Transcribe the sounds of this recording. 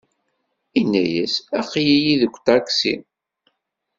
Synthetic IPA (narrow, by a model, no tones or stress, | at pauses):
inːæjæsæqːjijiðəkʷːt̪ɑɾksin